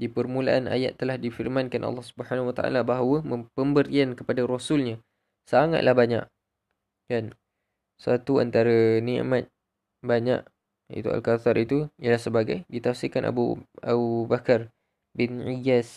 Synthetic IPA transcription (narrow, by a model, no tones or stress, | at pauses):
dipərmulaʔana̰jat̪ːəlahdifirmankanʔɑ̰lːɑhsubəɦanawat̪aʔa̰labaɦwəmə̃pəmbəɾiankəpadaɾosulɲa | saŋa̰t̪̚lʔahbaɲa̰ʔ | kan | sat̪ua̰nt̪aɾanḭ̃mat̪̚ | baɲa̰ʔ | ḭt̪ua̰lkat̪aɾit̪ulahsəbaɡajdit̪afsikanʔa̰bua̰ubakar | bɪnijas